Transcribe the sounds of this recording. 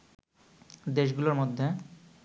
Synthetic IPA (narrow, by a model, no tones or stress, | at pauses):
d̪eʃɡuloɾmod̪ʱːe